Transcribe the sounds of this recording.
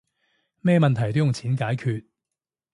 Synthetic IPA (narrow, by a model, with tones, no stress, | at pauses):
mɛː˥˧mɐ˨nt̪ʰɐ˨˩jt̪o˥wjʊ˨ŋt͡sʰiː˨˥nkaː˨˥jkʰyː˧t̚